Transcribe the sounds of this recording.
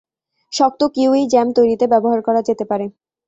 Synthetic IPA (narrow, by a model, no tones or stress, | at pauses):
ʃɔk̚t̪okewijd͡ʑɛmt̪ojɾit̪ebɛboɦaɾkɔɾad͡ʑet̪epaɾe